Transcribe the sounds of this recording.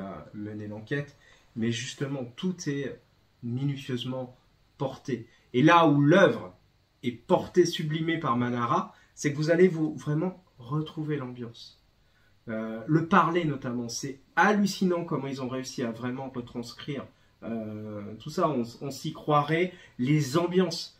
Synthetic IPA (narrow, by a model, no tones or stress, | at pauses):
a̰mənelɑ̃kʲɛt̪ | mɛʒyst̪əmɑ̃t̪ʰut̪ʰɛø | minysjøzmɑ̃ | pɔʁt̪eː | laulœvʁ | ɛpɔʁt̪esyblimepaʁmanaʁa | sɛkəvuzalevuvʁɛmɑ̃ | ʁət̪χuvelɑ̃bjɑ̃s | øləpaʁlenɔt̪amɑ̃sɛ | alysinɑ̃kɔmɑ̃ilzɔ̃ʁeysiavʁɛmɑ̃ʁət̪χɑ̃skχiːʁ | øt̪usaɔ̃ɔ̃sikχwaʁɛlezɑ̃bjɑ̃s